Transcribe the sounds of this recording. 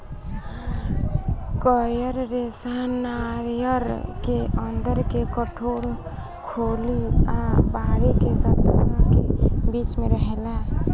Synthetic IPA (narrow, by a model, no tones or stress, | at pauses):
kɔjəɾɾesanaɾijəɾkeʔənd̪əɾkekəʈʰoɽ | kʰoliabaɾekesət̪ankebit͡ʃmeɾəɦela